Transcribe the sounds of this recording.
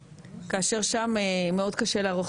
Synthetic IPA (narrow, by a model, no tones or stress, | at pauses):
kaːʃe̞ʁʃamemeo̞dkaʃe̞leaʁoχ